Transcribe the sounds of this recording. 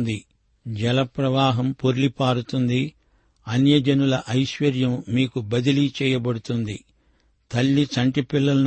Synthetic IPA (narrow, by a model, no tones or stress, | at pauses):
nd̪i | d͡ʒɛlɐpɾɐʋaːɦɐmpoɾlipaːɾut̪und̪i | ɐnjɐd͡ʒɐnulɐʔɐjʃʋɐɾjɐmːiːkubɐd̪ilit͡ʃɛːjɐbɐɽut̪und̪i | t̪ɐlːit͡ʃɐɳʈipilːɐlɐn